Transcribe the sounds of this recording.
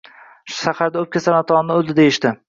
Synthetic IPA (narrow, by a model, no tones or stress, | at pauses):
ʃaχaɾd̪aɵp̚kʲasanat̪ʰɒnːɪozɪd̪ejɪʃt̪ɪ